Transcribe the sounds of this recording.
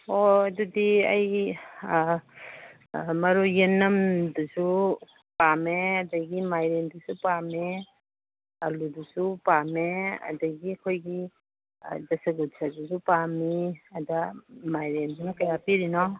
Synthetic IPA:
oɐdudiɐj | mɐɾujenːɐmdusu | pameɐdɐɡimajɾendusupame | ɐludusupameɐ̰dɐɡiɐkʰojɡḭ | zɐsɐɡudsʰadusupamiɐdamajɾendunakɐjapiɾinɔ

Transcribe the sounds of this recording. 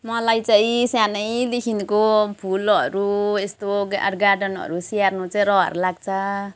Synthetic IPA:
mʌlajt͡saĩsjanʌjd̪ekʰinkopʰulʌɾuest̪oɡarɖʌnʌ̰ɾusijarnut͡saĩɾʌʌ̰ɾulaɡ̚t͡sʰʌ

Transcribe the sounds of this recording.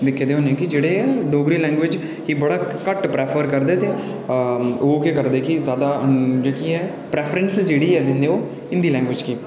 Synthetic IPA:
d̪ɪkʰːed̪eɦoːnɛːkɪd͡ʒeːɽeːɖoːɡɾiːlɛ̃ːŋɡʋɪd͡ʒ | kibəɽaːkəʈpɾɛːpʰəɾkəɾd̪eːt̪eː | oːkekəɾd̪eːkizjaːd̪ad͡ʒekiɛː | pɾɛːpʰɾənsd͡ʒeːɽiːɛːd̪ɪ̃nd̪eːoː | ɪ̃nd̪iːlɛ̃ːŋɡʋɪːd͡ʒkiː

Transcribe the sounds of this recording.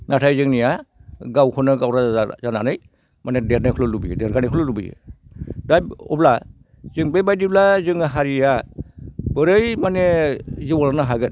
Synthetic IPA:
natʰajzɯŋnijaɡawkʰɔnɯɡawɾazananɯj | manedeɾnajkʰɔlɔlubijḛdeɾɡanajkʰlolubɯjḛdajɔ̰bla | zɯŋbejbajdiblazɯŋɦaɾija | b̥ɯɾɯjmaneziwalanaɦaɡɯ

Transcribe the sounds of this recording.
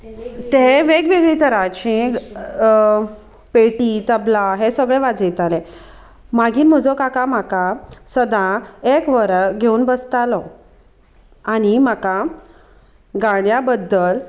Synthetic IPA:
t̪ẽʋeɡʋeɡɭit̪əɾat͡ɕĩ | peʈiːt̪əblaɦesəɡɭeʋad͡zit̪alẽ | maɡiːnm̤əd͡zɔkakam̤akasəd̪ãekʋəɾɡʱeuːnbəst̪alɔ | aɽ̃im̤aka | ɡaɳjabəd̪ːəl

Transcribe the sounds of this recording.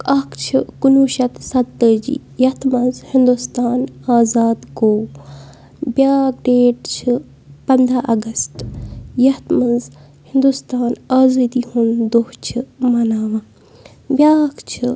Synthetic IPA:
ɐkt͡ʃʰɨkunuːʃɐt̪sɐt̪ːəd͡ʒḭ | jɐt̪mɐnzhind̪ust̪aːnaːzaːd̪ɡoː | bjaːɡɖeːɖ̚t͡ʃʰɨ | pɐnd̪aʔɐɡɐsʈjɐt̪mɐnz | hĩnd̪ust̪aːnaːzɐd̪iɦund̪oht͡ʃʰɨmɐnaːʋɐ̃ | bʲjakt͡ʃʰɨ

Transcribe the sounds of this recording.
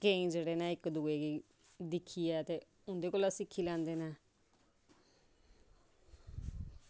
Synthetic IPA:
kẽːĩːd͡ʒeːɽeːnãːɪkd̪uːeːɡiː | d̪ɪkʰːiːɛːt̪eː | ʊnd̪eːkoːlasɪkʰːiːlɛ̃ːnd̪eːnɛː

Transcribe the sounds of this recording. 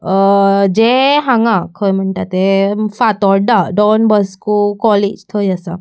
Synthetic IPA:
əd͡ʒɛɦaŋakʰəjmənʈ̪at̪ɛfat̪ɔɾdaʔdɔnbəskukɔlit͡ʃt̪ʰəjasa̰

